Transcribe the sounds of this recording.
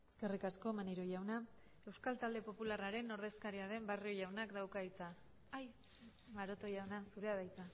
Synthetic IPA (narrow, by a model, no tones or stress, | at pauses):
eske̞rikasko̞maniɾoʝawna | e̞wskalt̪ald̪e̞po̞pularaɾe̞no̞ɾð̞e̞skaɾiaðe̞mbario̞ʝawnakd̪awkait͡saː | j | maɾo̞t̪o̞jawnasuɾe̞aðajt͡sa